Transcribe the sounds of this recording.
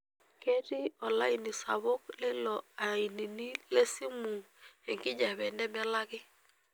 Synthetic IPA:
ke˦ti˦ɔ˨la˦i˨ni˨sa̰˨βo˦klɛ˦lɔ˨a˨i˨ni˨ni˦le˦si˦mu˨ | e˨ŋkɪ˦d͡ʒa˨βɛ˨ndɛ˦m˦a˦la˦kɪ˦

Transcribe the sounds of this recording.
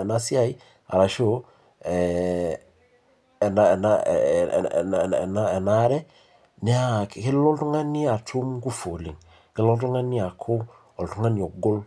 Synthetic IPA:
ɛ˨na˦si˦a˦i˦ | a̰˨ɾa˨ʃo˦ | ɛ˨ | ɛ˨naɛ˨na̰ | n˨ɛ˨na˦ɛ˨na˦ɾɛ˦ | nɛ˦a˦kkɪ˦lɔ˦ltu˦ŋa˦ni˦a˨tʰu˦mɡu˦fo˨lḭ˨ŋ | kɪ˦lɔ˦ltu˦ŋa˦ni˦a˨kʰo˦ | ɔ˨ltu˦ŋa˦ni˨o˨ɡo˦l

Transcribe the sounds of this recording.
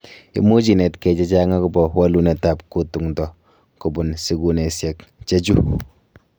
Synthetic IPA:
ḭ˦mu˦d͡ʒi˨nɛ˨tkɛ˨t͡ʃɛ˦t͡ʃa˦ŋa˦kʊ˨bɔ˨wa˦lu˨nɛ˨ta˨p̚ku˦tu˨ŋdɔ˨ | ku˨bʊ˨nsi˨ɡu˨ne˨sjɛ˨kt͡ʃe˦d͡ʒu˦

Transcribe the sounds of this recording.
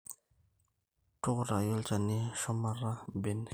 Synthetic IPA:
ʈ͡ʂʊ˦qɾa˨jɔ˦lt͡ʃa˨ni˨ʃɔ˦ma˦ɾa˦be˨n

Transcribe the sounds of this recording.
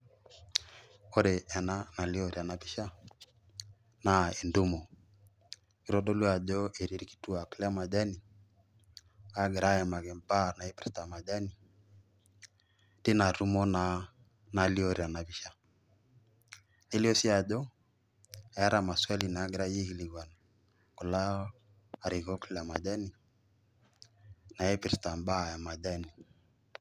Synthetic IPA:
ɔ˦ɾɛ˨ʔɛ˨na˦na˨li˦ɔ˨ɾi˨a˨na˨bi˦ʃa˦ | na˨e˨ndu˦mɔ˨ | i˨˦ɾɔ˦ɗɔ˦lu˦a˨ʄɔ˦ʔe˨ɾi˦ɾi˦ki̥˨tu˦a˨klɛ˦a˦ma˨ʄa˦ni˨ | a˦ɡɛ˨ɾa˦ɛ˨ma˨ɣɛ˨mba˦˨na˨i˦pɾɛ˦sta˨ma˨ʄa˦ni˨ | ti˦na˨ɾu˦mɔ˦na | na˨li˦ɔ˦ɾi˨a˨na˨βi˦ʃa˦ | ni˦li˦ɔ˦si˦a˨ʄɔ˦ | a˨ja˦ɾa˨ma˨swa˦li˨na˨a˦ɡɾa˦ji˦ɣi˦li˨ɡwa˨na˨ | kɔ˨la˦ | a˨ɾi˨ɣɔ˦klɛ˨a˨ma˨ʄa˦ni˨ | na˨ɛ˦pi˨ɾsta˨mba˦˨ja˨ma˨ʄa˦ni˨

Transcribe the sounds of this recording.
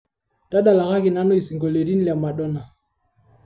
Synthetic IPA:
ta˦ɗa˨la˨ka˦ki˨na˦nɔ˦i˨si˨ŋɡo˨le˨ɾi˦n˦lja˨ma˨ɗɔ˦na˨

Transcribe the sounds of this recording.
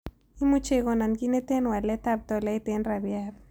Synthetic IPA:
i˦mu˦t͡ʃe˨ɣɔ˨na˨nɡi˦ne˦te˦nwa˨lɛ˦ta˦b̚t̪ɔ˨lɛ˨˦i˦te˦nɾa˨bja˦ɾ

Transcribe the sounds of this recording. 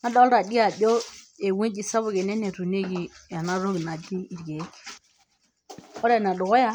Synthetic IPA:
na˦dɔ˦lɾa˨di˦a˨bo˦e˨we˦d͡ʒi˨sa˦βʊ˦˨ɡe˨ne˦ne˨ɾu˨ne˦ɡi˨a˨na˦ɾo˦ɡna˨d͡ʒi˦i˨ɾɡe˨˦ | ɔ˦ɾe˦˨na˨dʊ˨ɣo˦ja˦

